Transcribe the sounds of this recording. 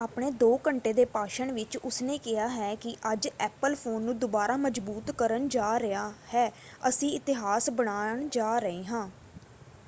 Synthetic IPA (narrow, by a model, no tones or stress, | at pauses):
aːpɳ̃eːd̪oːkəɳʈeːd̪eːpaːʃəɳʋɪt͡ʃʊsneːkɪaːɦɛːkɪʔəd͡ʒɛːpəlpʰoːnːũːd̪ʊbaːɾaːməd͡ʒbuːt̪kəɾənd͡ʒaːɾɪaːhɛː | əsĩːɪt̪ɪɦaːsbəɽ̃aːɳd͡ʒaːɾəeːɦãː